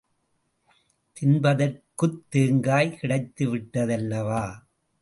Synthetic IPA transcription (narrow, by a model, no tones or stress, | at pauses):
t̪ɪnbɐðɐrkɯt̪ːeːŋɡaːjkɪɽɐɪt̪ːɯʋɪʈːɐðɛlːɐʋaː